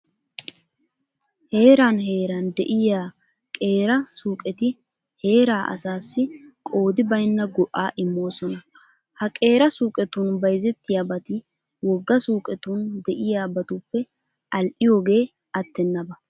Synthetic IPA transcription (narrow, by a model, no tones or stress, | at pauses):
he̞ːɾaːnɦe̞ːɾɐnd̪ɛ̰ʔɪjaː | kʼe̞ːɾɐsuːkʼɛt̪ɪ | he̞ːɾaːʔɐ̰saːsːɪkʼo̞ːd̪ɪbɐjnːɐɡɔʔːaːʔɪmːo̞ːsɔnɐ | hɐkʼe̞ːɾɐsuːkʼɛt̪ʊnbɐjzɛt̪ːɪjaːbɐt̪ɪ | wɔɡːɐsuːkʼɛt̪und̪ɛʔɪjaːbɐt̪ʊpːɛ | ɐlʔɪjo̞ːɡe̞ː | ɐt̪ːɛnːɐbɐ